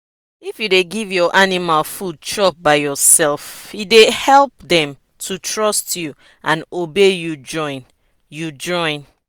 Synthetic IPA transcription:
ifjudeɡivjɔʔanimalfud̚t͡ʃɹɔp̚baɪjɔsɛlˠfidehɛlˠp̚ðɛ̃m | tʰutʰɹɔstju | ʔãnobejud͡ʒɔ̃ɪ̃n | jud͡ʒɔ̃ɪ̃n

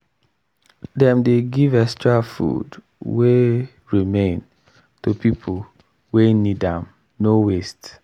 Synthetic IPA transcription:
dɛ̃mdeɡivɛkstɹafṵd | we | ɹimẽn | tupipʰul | wenidãm | nowest

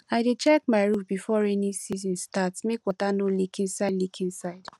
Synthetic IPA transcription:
aɪdet͡ʃɛk̚maɪɹufbifɔɹɛnisizɔ̃nstatmekwatanolikʰĩnsaɪdlikʰĩnsaɪd̥

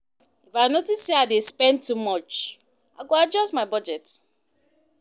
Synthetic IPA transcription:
ifaɪnotiseaɪdespɛ̃ntːumɔt͡ʃ | aɪɡoad͡ʒɔstmaɪbɔd͡ʒɛt

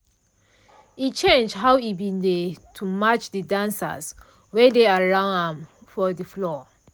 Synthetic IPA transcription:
it͡ʃẽnd͡ʒɦawibĩndetʰumat͡ʃdidãnsə̰s | wɛdeaɹãnɛ̃mfɔdəflɔ

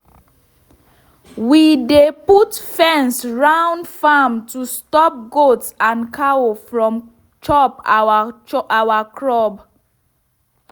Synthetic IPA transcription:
wideputfɛ̃nsɹãʊ̃ndfamtustɔp̚ɡotsãnkʰawofɹɔ̃m | t͡ʃʰɔp | awakʰɹɔb

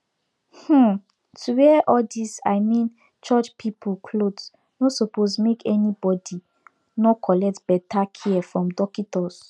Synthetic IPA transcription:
h̩ | tʰuwɛʔɔdisa̰ɪmĩn | t͡ʃɔt͡ʃpʰipʰukʰlods | nosoposmekɛnibɔdi | nɔkʰɔlɛk̚tb̥ɛtʰakʰiɛfɹɔ̃mdɔkitɔs

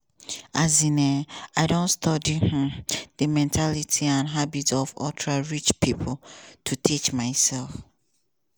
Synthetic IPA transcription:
azinɛaɪdõntstɔdih̩dəmɛ̃ntʰalitʰiãnɦabitsɔvɔtʰɹaɹit͡ʃpʰipʰɔl̩tʰutʰit͡ʃmaɪsɛlf

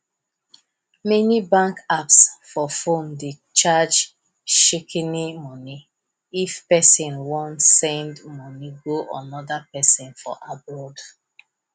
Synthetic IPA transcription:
mɛnibãŋkapsfɔfõnde | t͡ʃad͡ʒ | ʃikʰinimɔni | ifpɛsĩnwɔ̃ntsɛ̃ndmɔniɡoʔã̰nɔdapɛsĩnfɔ̰ʔabɹɔd

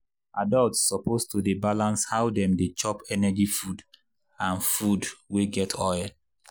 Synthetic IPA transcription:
ʔadɔltsːɔpostudebalãnshawdɛ̃mdet͡ʃɔpɛnɛd͡ʒifud | ãnfudweɡɛtʰɔjl

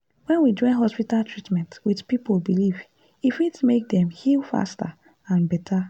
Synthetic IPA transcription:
wɛ̃nwid͡ʒɔ̃ɪ̃nɦɔspitaltɹitmɛ̃ntwidpipolbiliv | ifitmek̚dɛ̃mhifa̰sta | ãnbɛtʰa

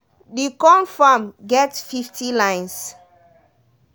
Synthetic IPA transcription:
dikɔ̃nfamɡɛtsfiftilãj̃ns

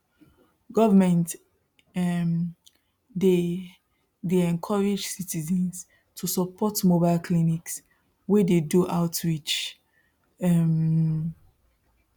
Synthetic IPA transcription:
ɡɔvəmɛ̃nt | m | de | deɛ̃nkʰɔɹid͡ʒsitizɛ̃ns | tʰusɔpʰɔtmobaɪlkʰliniks | wededuʔaʊtɹit͡ʃ | ɛm

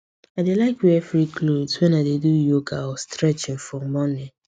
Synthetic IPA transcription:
aɪdelaɪkwiɛfɾikʰlobswɛ̃naɪdedujoɡaɔstɾɛt͡ʃɪ̃ŋfɹɔmːɔni

